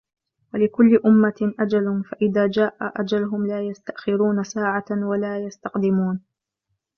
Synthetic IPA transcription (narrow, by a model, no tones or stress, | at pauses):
walɪkʊlːɪʔʊmːaʔad͡ʒalʊmfaʔɪðaːd͡ʒaːʔaʔad͡ʒalʊɦʊmlaːjast̪aʔxɪɾuːnasaːʕawalaːjast̪ɑqd̪ɪmuːn